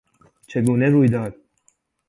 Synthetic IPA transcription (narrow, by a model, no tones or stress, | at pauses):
t͡ʃʰe̞ɡuːneɾuːjd̪ɒːd̪̥̚